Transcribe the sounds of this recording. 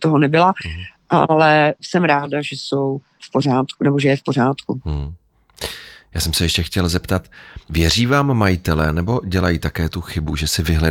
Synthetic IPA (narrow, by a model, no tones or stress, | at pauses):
t̪oɦonɛbɪlaʔa̰lɛsɛmɾaːdaʒɛsow | fporaːt̪kunɛbo̞ʒɛjɛfpo̞r̝aːt̪ku | jaːsɛmsɛjɛʃcɛxcɛlzɛpt̪at̪vjɛriːvaːmːajɪt̪ɛlɛːnɛbo̞ɟɛlajiːt̪akɛːt̪uxɪbuʒɛsɪvɪɦlɛ